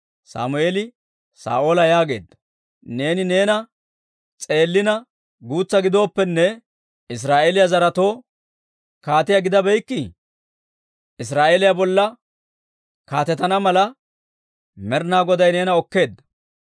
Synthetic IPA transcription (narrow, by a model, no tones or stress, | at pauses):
sa̰ːmʊeːlɪ | sa̰ːʔo̞ːlɐjaːɡe̞ːd̪ːɐ | ne̞ːnɪne̞ːnɐ | t͡sʼe̞ːlːɪnɐ | ɡuːt͡sːɐɡɪd̪o̞ːpːɛnːɛ | ɪs̬ɾaːʔeːlɪjazɐɾɐt̪o̞ː | kaːt̪ɪjɐɡɪd̪ɐbɛjkːɪ | ɪs̬ɾaːʔelɪjabɔlːɐ | kaːt̪ɛt̪ɐnɐmɐlɐ | mɛɾnaːɡɔd̪ɐjne̞ːnɐɔkːe̞ːd̪ːɐ̥